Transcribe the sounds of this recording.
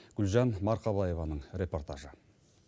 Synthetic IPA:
ɡ̥ʉlʒɑnmɑɾqʰɑbˠɑje̞vɑnəɴɾʲe̞po̞rt̪aʒə

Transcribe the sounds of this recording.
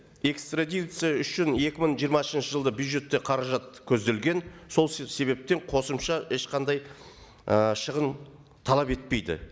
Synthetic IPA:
e̞kst̪rad̪ʲijt̪sɨjaʏʃɪnje̞kʲɪməɴʒijəɾmɑʏsənʃəʒəlˠd̪əbjud̪ʒe̞t̪ːeqʰɑɾɑʒɑt̪kʲʰɵzd̪e̞lɡʲe̞nso̞lˠse̞βe̞p̚t̪e̞ɴqʰo̞səmʃɑʔe̞ʃqɑnd̪ɑj | əʃəʁən | t̪ʰɑlˠɑpe̞t̪̚pe̞jd̪ɪ̰

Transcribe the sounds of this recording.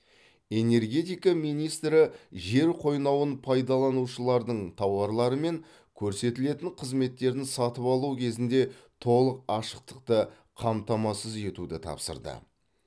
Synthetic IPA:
e̞ne̞ɾɡʲe̞t̪ijkɑmijnijst̪ɾɪʒe̞ɾqʰo̞jnɑwənpʰɑjd̪ɑlˠɑnuʃəlˠɑɾd̪əɴt̪ʰɑwɑɾlˠɑɾəme̞ŋ | kʲʰɵɾse̞t̪ɪle̞t̪ɪɴqʰəzme̞t̪ːe̞ɾd̪ɪnsɑt̪əpɑlˠukʲʰe̞zɪnd̪e̞t̪ʰo̞lˠəqɑʃəq̚t̪ə̥qt̪ə | qʰɑmt̪ɑmɑsəze̞t̪ud̪ɪt̪ʰɑ̰psə̰ɾd̪ə̰

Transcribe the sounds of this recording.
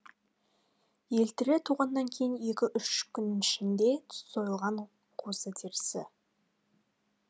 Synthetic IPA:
je̞lt̪ɪɾet̪ʰuʁɑnːɑŋkʲʰe̞jɪnje̞kʲɪʔʏʃkʲʰʏnɪnɪʃɪnd̪e̞t̪ʰso̞jəlˠʁɑɴ | qʰosət̪ʰiɾsɪ

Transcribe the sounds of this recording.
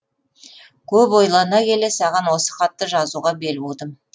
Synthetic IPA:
kʲʰɵpwo̞jlˠɑnɑkʲʰe̞le̞sɑʁɑnwo̞sə̥χɑt̪ːəʒɑzuʁɑbe̞lbod̪əm

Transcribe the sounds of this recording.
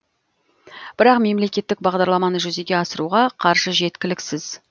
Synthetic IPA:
b̥ɪɾɑqme̞mle̞kʲe̞t̪ːɪk̚bɑʁd̪ɑɾlˠɑmɑnəʒʏze̞ɡʲe̞ɑsəɾuʁɑqʰɑɾʒəʒe̞t̪kʲɪlɪksɪz̥

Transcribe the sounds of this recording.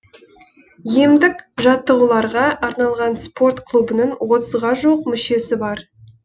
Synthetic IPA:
emd̪ɪkʒɑt̪ːəʁulˠɑɾʁɑʔɑɾnɑlˠʁɑnspʰo̞rt̪kʰlˠubənəɴwo̞t̪əzʁɑʒuəqmʏʃe̞sɪbɑɾ

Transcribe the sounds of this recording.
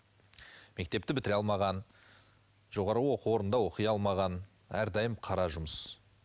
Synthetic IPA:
me̞k̚t̪e̞p̚t̪ɪbɪt̪ɪɾɑlˠmɑʁɑn | ʒo̞ʁɑɾəwo̞qəwo̞ɾənd̪ɑwo̞qəjɑlˠmɑʁɑn | æɾd̪ɑjəmqʰɑɾɑʒʊməs

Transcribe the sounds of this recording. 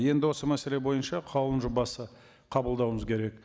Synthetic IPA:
je̞nd̪ɪwo̞səmæse̞le̞bo̞jənʃɑqʰɑwlˠənʒʊbɑsə | qʰɑbəlˠd̪ɑwəməzkʲʰe̞ɾe̞k

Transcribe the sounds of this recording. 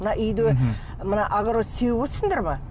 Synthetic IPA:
ənɑʔʏjd̪e | mənɑʔaɡaɾot̪sewbosənd̪ɑɾmɑ

